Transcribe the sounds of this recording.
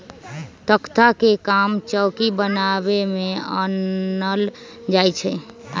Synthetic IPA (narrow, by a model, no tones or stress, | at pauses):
t̪əkt̪ʰakekamt͡ʃəwkibənabemẽənəl | d͡ʒajt͡ʃʰɛ